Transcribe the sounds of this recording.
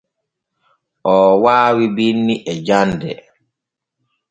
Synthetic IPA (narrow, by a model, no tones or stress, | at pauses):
ʔɔwaːwibinːiʔɛd͡ʒandɛ̰